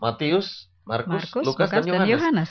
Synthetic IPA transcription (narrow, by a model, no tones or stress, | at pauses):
mat̪iʊs | markmʊslukasdanjodhnjoɦanɛs